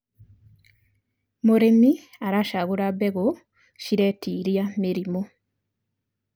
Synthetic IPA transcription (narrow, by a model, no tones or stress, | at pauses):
moɾemi | aɾaʃaɣuɾaβeɡo | ʃiɾeːtiːɾjamiɾimo